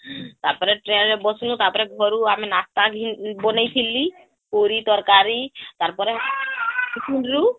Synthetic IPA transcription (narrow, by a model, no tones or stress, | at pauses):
t̪aɾpɔɾeʈɾenɾebɔsnut̪aɾpɔɾeɡʱɔɾuaminast̪aɡʱinbɔnajt̪ʰili | koɾit̪ɔɾkaɾit̪aɾpɔɾe | ɡʰinɾu